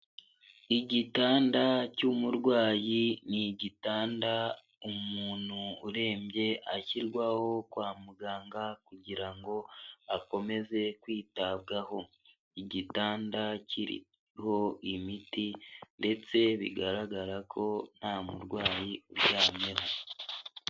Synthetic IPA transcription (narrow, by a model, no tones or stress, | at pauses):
iɟitaːndacumuɾɡwaːjiniɟitaːnda | umuːn̥huːɾe̞ːmbje̞ʔaciɾɡwaho̞kwaːmuɡaːŋɡakuɟiɾaŋɡo̞ako̞me̞ze̞kwiːtaβɡaho̞ | iɟitaːndaciɾḭ | ho̞imitinde̞t͡se̞βḭɡaɾaɡaɾakʰo̞n̥haːmṵɾɡwaːjiuɾjaːmɲe̞ho